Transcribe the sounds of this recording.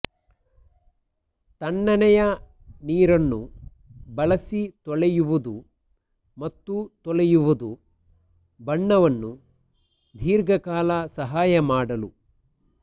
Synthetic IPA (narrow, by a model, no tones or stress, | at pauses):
t̪ɐɳːɐnɛjɐ | niːɾɐnːṵ | bɐlɐsit̪ɔɭɛjuʋud̪u | mɐt̪ːut̪ɔɭɛjuʋud̪u | bɐɳːɐʋɐnːu | d̪ʱiːɾɡɐkaːlɐsɐɦaːjɐmaːɽɐlu